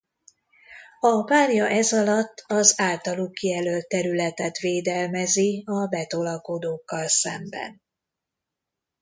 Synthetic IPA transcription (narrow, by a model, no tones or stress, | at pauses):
ɒpaːrjɒʔɛzɒlɒt̪ːɒzaːlt̪ɒluːkijɛlølt̪ːɛɾylɛt̪ɛt̪ʋeːd̪ɛlmɛziɒbɛt̪o̞lɒko̞d̪oːkːɒlsɛ̰mbɛ̰n